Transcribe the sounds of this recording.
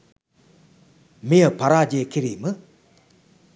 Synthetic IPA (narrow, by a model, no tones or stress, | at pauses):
meəpʰaɾad͡ʑekʰiɾimə